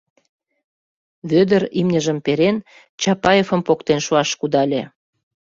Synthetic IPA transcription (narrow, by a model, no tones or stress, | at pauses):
βød̪əɾimnʲəʒəmpeɾen | t͡ɕɑpɑjefə̆mpokt̪enʃuɑʃkud̪ɑlʲe